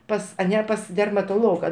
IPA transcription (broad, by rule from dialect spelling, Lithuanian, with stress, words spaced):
ˈpɐs ɐˈnʲɛ pɐs dʲɛrmɐtoːˈlˠoːɡɐ